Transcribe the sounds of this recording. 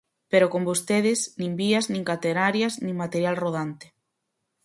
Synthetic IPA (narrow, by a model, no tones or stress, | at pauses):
peɾokombost̪eð̞ɪznĩmbiaznĩŋkat̪eɾaɾjaznĩŋmat̪eɾjalroð̞ant̪e̥